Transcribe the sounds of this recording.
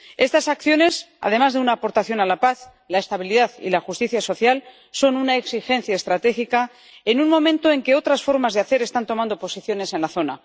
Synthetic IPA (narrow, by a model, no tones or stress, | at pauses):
e̞st̪asakθjo̞ne̞s | a̰ð̞e̞mazðe̞unaːpo̞ɾt̪aθjo̞nalapaθ | lae̞st̪aβiliðaθḭlaxust̪iθjaso̞θjal | so̞nunaeksixẽ̞n̟θjaest̪ɾat̪e̞xika | enunmõ̞mẽnt̪o̞e̞ŋkeo̞t̪ɾasfo̞ɾmazðeaθe̞ɾe̞st̪ant̪o̞mãnd̪o̞po̞siθjo̞ne̞se̞nlaθo̞na